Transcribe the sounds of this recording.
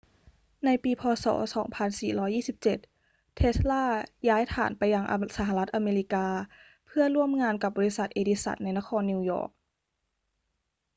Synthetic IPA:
na˧jpiː˧pʰɔː˧sɔ̰ː˩˦sɔː˩˦ŋpʰa˧nsiː˨˩ɾɔː˦˥jːiː˥˩si˨˧˦p̚t͡ɕe˨˩t̪̚ | t̪ʰːe˦˥slaː˥˩jaː˦˥jt̪ʰa̰ː˨˩˦npa˧jːa˧ŋʔsa˧˦ɦa˧la˧˦˥t̪̚ʔa˧meː˧li˧˥kaː˧ | pʰɯ˥˩ɐɾu˥˩əmŋaː˧nka˨˩p̚bɔː˧li˧˥sa˨˩t̪̚ʔeː˧di˧˥sa̰˨˩t̪̚na˧jna˧˥xʰɔː˧nːi˧wjɔ̰ː˧˩k̚

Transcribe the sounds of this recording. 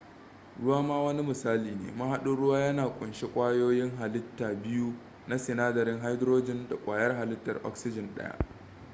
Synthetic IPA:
ɽʊ˦waː˦maː˦wɐ˦ni˦mɪ˨saː˦liː˨nḛː˨ma˦ɦa˦ɗʊ˦ɽʊ˦waː˦jɐ˦naː˨kʷʼʊ˨nʃe˦kʷʼaː˦joː˦jɪ˦ŋɦa˨lɪ˦tːaː˨bɪ˦ju˦ | na˦sɪ˨naː˦dɐ˨ɾɪ˦ŋɦa˦jdɾoː˦d͡ʒɪ˦nda˨kʷʼaː˨jɐ˦rɦa˨lɪ˦tːɐ˨rʔɔ̰˦ksɪ˦d͡ʒɪ˨nɗɐ̰˦ja̰˦ʔ

